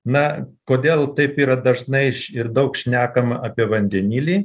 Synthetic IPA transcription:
nɐkoːd̪ʲeːlˠt̪ɐɪpiːɾɐd̪ɐʒnɐɪʃɪrd̪ɐʊkʃʲnʲæːkɐmɐʔɐpʲiɛʋɐnʲd̪ʲɛnʲiːlʲiː

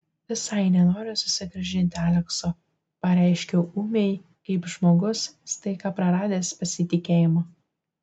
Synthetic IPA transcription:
ʋʲɪsɐɪnʲɛnoːɾʲɪsʊsʲɪɡɾɐʒʲɪnʲt̪ʲɪæːlʲɛksoː | pɐɾʲæˑɪʃʲkʲɛʔuːmʲɛɪ | kɐɪpʒmoːɡʊsst̪ɐɪkɑːpɾɐɾɑːd̪ʲeːspɐsʲɪt̪ʲɪkʲeːjɪmoː

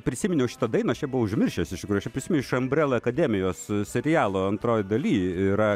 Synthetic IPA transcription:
pʲɾʲɪsʲɪmʲɪnʲɛʊʃʲɪt̪ɐd̪ɐɪnɐʃt͡ʃʲɛbʊʋɐʊʒʲmʲɪrʲʃʲeːsɪʃt̪ʲɪkɾujt͡ʃʲɛpɾʲɪsʲmʲnʲʊɪʃɐmʲbʲɾʲɛːlˠɐɐkɐd̪ʲemʲɪjoːssʲɛɾʲɪjæːlˠoːɐnt̪ɾoːjɪd̪ɐlʲiːɪɾɐ

